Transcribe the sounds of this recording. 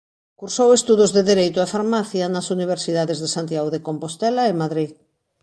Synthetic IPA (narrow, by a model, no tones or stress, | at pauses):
kuɾsowest̪uðʊzðeðeɾejt̪ʊafaɾmaθjanɐsuniβ̞eɾsiðaðezðesant̪jaɣoðekompost̪ɛlaemaðɾið